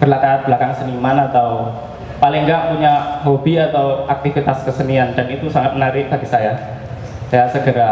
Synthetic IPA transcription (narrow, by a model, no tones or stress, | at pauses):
bərlakaat̪̚b̥əlakaŋsənimanat̪aw | palɪŋɡaʔpuɲaɦobiat̪awak̚t̪ifit̪askəsəniandanit̪usaŋat̪̚mənaɾɪʔ̚b̥aɡisaja | jasəɡəɾa